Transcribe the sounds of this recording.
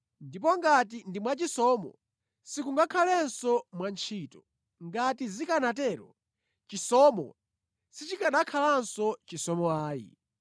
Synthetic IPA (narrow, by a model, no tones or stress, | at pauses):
ndip̬ɔŋɡatindimwat͡ʃisɔmɔ̰ | sikuŋɡakʰalɛnsɔmwant͡ʃʰiːtɔ | ŋɡatizikanatɛɾɔ | t͡ʃisɔmɔ̰ | sit͡ʃikaɗakʰalansɔt͡ʃisɔmɔaːjḭ